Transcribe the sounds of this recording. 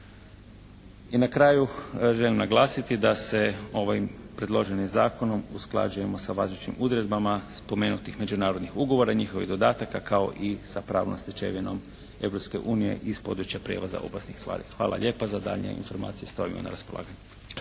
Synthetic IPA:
inakɾaːjuʒe̞limnaɡlˠaːsit̪id̪ase̞o̞ʋaimpɾed̪lˠo̞ʒenimzaːko̞no̞musklˠa̰d͡ʒuje̞mo̞saʋazlut͡ʃnḭmʔud̪ɾe̞d̪bamaspo̞me̞ːnut̪ixme̞d͡ʒunaːɾo̞d̪nixuɡo̞ʋo̞ɾaɲixoʋḭɣd̪od̪aːt̪akakao̞̰ʔisapɾa̰ːʋnomst̪et͡ʃḛʋino̞̰m | e̞wɾo̞pske̞ʔuːnije̞̰ʔispo̞d̪ɾut͡ʃjapɾjḛʋaza̰ʔo̞̰pasnixst̪ʋa̰ːɾḭxʋa̰ːlˠʔa̰ʎʲe̞ːpazad̪a̰ʎɲḛḭnfo̞ɾma̰ːt̪sijest̪oʋimo̰na̰ɾaspolˠa̰ːɡaɲe

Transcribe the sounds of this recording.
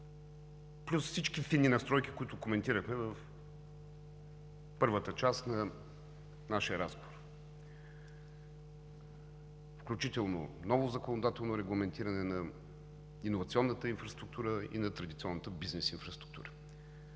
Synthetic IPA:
plʲusfsit͡ʃkifinːinɐst̪ɾɔjki̥kʊit̪ʊkomɛnt̪iɾəxmɛvəf | pɤɾvət̪ət͡ʃast̪nɐ | naʃijəɾaspoɾ | fklʲut͡ʃit̪ɛlˠno̰nɔvʊzɐkonod̪at̪ɛlˠnoɾɛɡlˠɐmɛnt̪iɾɐnɛnɐ | inovɐt̪sʲiɔnːət̪əinfɾɐst̪ɾuk̚t̪uɾəḭnɐt̪ɾɐd̪it̪siɔnːət̪əbiznɛsinfɾɐst̪ɾu̥kt̪ṵɾə

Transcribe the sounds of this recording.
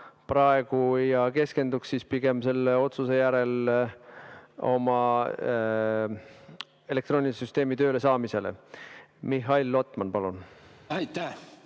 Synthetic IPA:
pɾɑeɡ̥ujɑke̞ske̞nd̪̥uksːispiɡ̥e̞mse̞lːeo̞t̪suse̞jæɾe̞l | o̞̰mɑ | e̞lek̚t̪ɾo̞ːnʲisyst̪e̞ːmit̪ø̞ːle̞sɑːmise̞le̞̰miɦɑilːo̞t̪ːˑmɑnpɑlunæjt̪æ

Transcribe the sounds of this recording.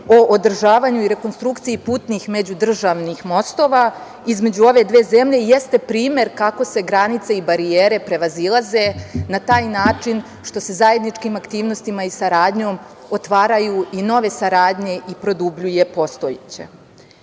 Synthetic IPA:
o̞ʔod̪r̩ʒaːʋaɲuiɾe̞ko̞nst̪ɾukt̪siipuːt̪niːxme̞d͡ʑud̪r̩ʒaːʋnixmo̞st̪o̞ːʋa | izme̞d͡ʑuo̞ʋe̞d̪ʋe̞ːze̞mʎe̞jest̪e̞pɾiːmje̞ɾkako̞se̞ɡɾanit̪se̞ibaɾieːɾe̞pɾe̞ʋazilˠaze̞nat̪aːjnaːt͡ʃin | ʃt̪o̞se̞zaje̞d̪nit͡ʃkiːmakt̪iːʋnost̪imaisaɾaːd̪ɲo̞ːm | ot̪ʋaːɾajuino̞ʋe̞saɾaːd̪ɲe̞ʔipɾo̞d̪ubʎuje̞po̞st̪o̞jet͡ɕḛ

